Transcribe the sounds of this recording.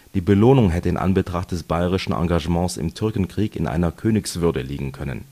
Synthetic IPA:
d̥iːbəloːnʊŋɦɛtəɪnʔa̰nbətʁ̥aχt̚d̥ɛsb̥aɪʁɪʃn̩ʔɑ̰̃ŋɡaʒəmɑ̃ːsɪ̰mtʰʏɐkn̩kʁ̥iːkɪ̰nʔa̰ɪnɐkʰøːnɪksv̥ʏɐdəlḭːɡŋ̩kʰœnə̰n

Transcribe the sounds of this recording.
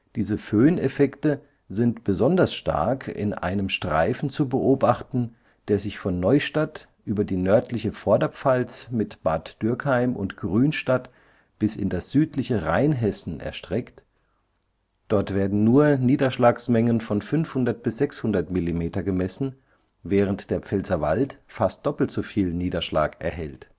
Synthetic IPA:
d̥iːzəføːnefɛktə | zɪntb̥əzɔndɐsʃta̰ɐkʰɪ̰nʔa̰ɪnəmʃtʁ̥a̰ɪfn̩t͡subəʔoːbaχtn̩ | d̥eːɐzɪçfɔnːɔʏʃtat | ʔyːbɐdiːnœɐtlɪçəfɔɐdɐp͡falsmɪtb̥a̰ɐtd̥ʏɐkhaɪmʊ̰ntɡ̥ʁyːnʃtat | b̥ɪsɪ̰ndasz̥yːtʰlɪçəʁaɪnɦɛsn̩ɛ̰ɐʃtʁ̥ɛkt | d̥ɔɐtv̥eːɐdn̩nuːɐniːdɐʃlaːksmɛŋənfɔnfʏnfhʊndɐt̚b̥ɪsz̥ɛkshʊndɐtmilimeːtɐɡəmɛsn̩ | vɛːʁ̞əntd̥eːɐp͡fɛlzɐva̰ltfast̚d̥ɔpl̩tz̥ufiːlniːdɐʃla̰ːkʔɛ̰ɐɦɛ̰lt

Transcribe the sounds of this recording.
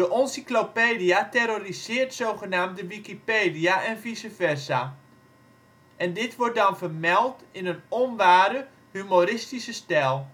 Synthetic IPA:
dəʔɔnsiklopeːdijateɾorizɪːrtsowχənaːmt̚dəʋikipeːdiaʔɛnfisəfɛrsa | ʔɛndɪtʋʊrt̚dɔnfərmɛlˠtɪnənɔnʋaːdə | hymorɪstisəstɛlˠ

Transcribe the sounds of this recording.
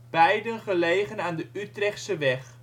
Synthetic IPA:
b̥ɛjdənχəlejχənaːndəʔytrɛχtsəʋɛχ

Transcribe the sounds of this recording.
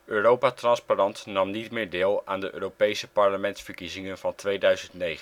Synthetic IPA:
øːrowpatrɑnsparɑntnɑmnitmɪːɹdɪːlˠaːndəʔø̰ːrowpejsəpɑɹləmɛntsfəɹkizɪŋənv̥ɑntʋejdœɥzəntnejχən

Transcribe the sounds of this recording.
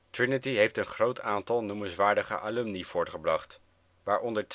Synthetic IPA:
tɹɪnətiɦejftənχrowtʰaːntɑlˠnumənsʋaːɹdəχə̰ʔaːlymniv̥ʊːɹtχəbrɑχt | ʋaːɹʔɔndəɹt

